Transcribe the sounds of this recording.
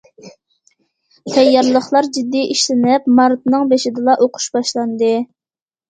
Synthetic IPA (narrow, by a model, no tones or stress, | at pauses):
t̪ʰɛjːɑɾlˠəχlˠɑɾd͡ʒid̪ːiiʃlɪnɪp̚mɑɾt̪̚nɨŋbeʃɪd̪ɨlˠɑʔoqʰʊ̥ʃbɑʃlˠɑnd̪ɨ